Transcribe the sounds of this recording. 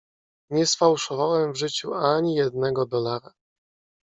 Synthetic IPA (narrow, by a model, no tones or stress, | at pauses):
ɲɛsfawʂɔvawɛmvʐɘt͡ɕuaɲijɛd̪nɛɡɔd̪ɔlaɾa